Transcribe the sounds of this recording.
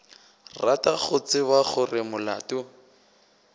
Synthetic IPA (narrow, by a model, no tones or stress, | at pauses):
rataɣʊt͡sɪbaɣʊrɪmʊla̰ːtʊ